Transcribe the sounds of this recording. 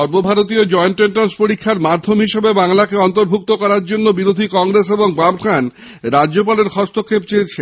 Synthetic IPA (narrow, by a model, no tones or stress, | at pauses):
ɔɾbobʱaɾot̪iod͡ʑɔenʈɾeɳʈanspoɾikʰːaɾmad̪ʱːomɦiʃebebaŋlakeɔnt̪oɾbʱuk̚t̪okɔɾaɾd͡ʑonːobiɾod̪ʱikɔŋɾeseboŋbabkʰan | ɾad͡ʑop̬aleɾkʰɔst̪ʰokʰːep̚t͡ɕejt͡ɕʰe